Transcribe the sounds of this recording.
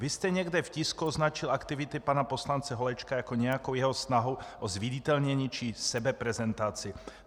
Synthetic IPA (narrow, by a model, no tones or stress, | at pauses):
vist̪ɛɲɛɡd̪ɛfciskuoznat͡ʃɪlakt̪ɪvɪt̪ɪpanaposlant͡sɛɦolɛt͡ʃkajakoɲɛjakowjɛɦosnaɦowʔozviɟɪt̪ɛlɲɛɲit͡ʃisɛbɛpɾɛzɛnt̪at͡sɪ